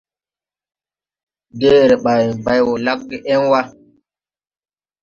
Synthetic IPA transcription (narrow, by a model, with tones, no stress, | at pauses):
de˦˨ɾɛ˨ɓa˨ji˨ba˦jwɔ˨la˦k̚ɡe˨ʔɛ˦nwa˦